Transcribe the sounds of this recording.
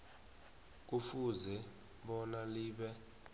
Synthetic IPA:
k̬ʼufuzɛ | ɓɔnaliːɓɛ

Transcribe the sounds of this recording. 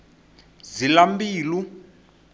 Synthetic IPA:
zilambiːlu

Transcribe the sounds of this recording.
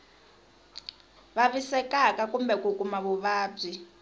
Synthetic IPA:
βaβisɛkakakumbɛkukʼumaβuβaːb͡ʐi

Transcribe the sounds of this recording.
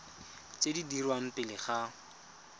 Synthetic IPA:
t͡sedidirwam̩pɪlɪχa

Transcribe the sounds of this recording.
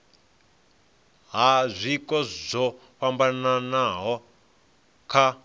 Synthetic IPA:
ɦazʷikɔzɔ | ɸambananaɦɔ | kʰa

